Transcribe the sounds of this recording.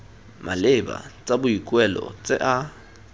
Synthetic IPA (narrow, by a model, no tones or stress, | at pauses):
mʔalɪba̰t͡sʼabʊikʼwɛlɔ̰t͡sʼɪʔa